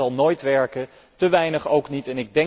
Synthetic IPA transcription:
ɑlˠnojtʋɛɹkə | təʋɛjnəχowknitɛnɪɡ̚dɛ

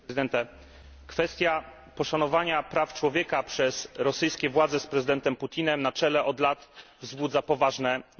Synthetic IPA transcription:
d̪ɛnt̪ɛ | kfɛst̪ʲja | pɔʂanɔvaɲapɾaft͡ʂwɔvʲjɛkapʂɛsɾɔsɘjskʲɛvwad̪zɛspɾɛzɨd̪ɛnt̪ɛmput̪ʲinɛmnat͡ʂɛlɛʔɔd̪lat̪vzbud̪zapɔvaʐnɛ

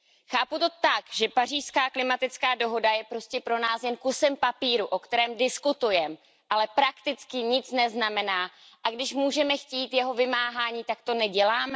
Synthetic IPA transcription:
xaːput̪o̞t̪akʒ̥ɛpar̝iːʃskaːklɪmat̪ɪt͡skaːdo̞ɦo̞dajɛpɾo̞scɛpɾo̞naːsjɛnkusɛmpapiːɾuʔo̞kt̪ɛɾɛːmdɪskut̪ujɛm | ʔalɛpɾakt̪ɪt͡skɪɲɪt͡snɛznamɛnaː | ʔaɡdɪʃmuːʒɛmɛxciːt̪jɛɦo̞vɪmaːɦaːɲiːt̪akt̪o̞nɛɟɛlaːmɛ

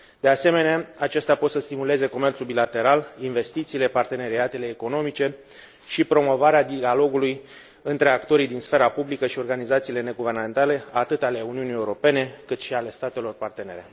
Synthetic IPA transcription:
d̪ease̞me̞neaat͡ʃe̞st̪apo̞t̪səst̪imule̞ze̞ko̞me̞rt̪sulbilat̪e̞ɾalinve̞st̪it̪siːle̞part̪e̞ne̞ɾiat̪e̞le̞ːko̞no̞mit͡ʃe̞ | ʃipɾo̞mo̞vaɾead̪ialo̞ɡuluj | ɨnt̪ɾe̞akt̪o̞ɾijd̪insfe̞ɾapublikəʃio̞rɡanizat̪siːle̞ne̞ɡuve̞rname̞nt̪ale̞at̪ɨt̪ale̞uniunijeuɾo̞pe̞ne̞kɨt̪ʃiale̞st̪at̪e̞lo̞rpart̪ene̞ɾe

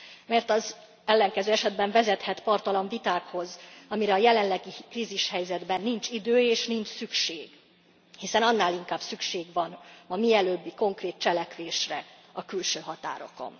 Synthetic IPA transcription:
mɛrt̪ɒz | ɛlːɛŋkɛzøːɛʃɛd̪̚bɛɱvɛzɛt̪hɛt̪pɒrt̪ɒloɱvit̪aːkho̞zɒmiɾɛɒjɛlɛnlɛɡikriːziʃhɛjzɛd̪bɛnːint͡ʃid̪øːeːʃnint͡ʃsykʃeːɡ | hisɛnɒnːaːliŋkaːbsykʃeːɡʋɒnɒmiɛløːbːiko̞ŋkreːt̪̚t͡ʃɛlɛkʋeːʃrɛ | ɒkylʃøːɦɒt̪a̰ːɾo̞̰ko̞̰n

